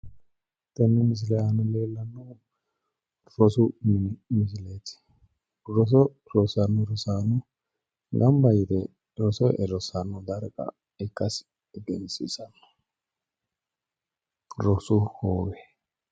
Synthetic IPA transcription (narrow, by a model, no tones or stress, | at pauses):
t̪ɛnːɛmɪs̬ɪlɛjanɔleːlːɐnːɔ | ɾɔsʊmmɪs̬ɪlɛt̪ɪ̥ | ɾɔs̬ɔ | ɾɔsɐnːɔɾɔsaːnɔ | ɡɐmbɐjɪt̪ɛ | ɾɔsɔʔɛɾɔsanːɔd̪ɐɾkʼɐ̰ | ɛkːɐs | ɡɛnsḭsɐnːɔ̥ | ɾɔsʊhoːwɛ